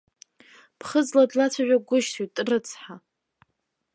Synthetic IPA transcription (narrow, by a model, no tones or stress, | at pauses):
pʰχəzladlat͡sʷʰaʕʷᶣaɡʷʊʃtʰujtʼrɨt͡sʰħa